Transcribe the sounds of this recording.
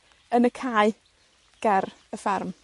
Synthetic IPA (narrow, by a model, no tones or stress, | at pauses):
ənəkʰaːɨ | ɡ̥ɛr | əfɛrm